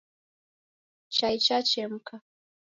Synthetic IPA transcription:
t͡ʃajt͡ʃat͡ʃemkʰa

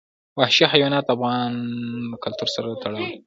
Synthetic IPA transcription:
wahʃihajwɑnɑt̪afɣɑnəkalt̪uɾsaɾat̪ʰaɽəw

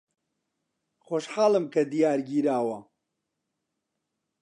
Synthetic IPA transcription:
xoːʃħaːlɨmkɐd̪ijaːɾɡiːɾaːwɐ

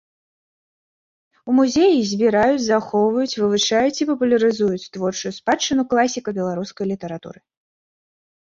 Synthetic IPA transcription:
umuzʲejizʲbʲiɾajut͡sʲzaxɔwvɐjut͡sʲvɨvɨʂajut͡sʲipɐpulʲɐɾɨzujut͡sʲt̪vɔrt͡ʂujuspat͡ʂːɨnuklˠasʲikɐbʲɛlˠaɾuskɐjlʲit̪ɐɾat̪ṵɾɨ

